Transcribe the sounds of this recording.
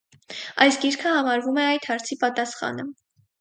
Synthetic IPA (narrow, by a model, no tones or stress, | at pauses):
ɑjsɡiɾkʰəhɑmɑɾvumɛɑjt̪hɑɾt͡sʰipɑt̪ɑsχɑ̰nə